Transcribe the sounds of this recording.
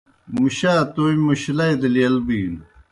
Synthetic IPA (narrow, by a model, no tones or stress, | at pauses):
muɕaːt̪oimuɕilajd̪ɐlijɐlbiːn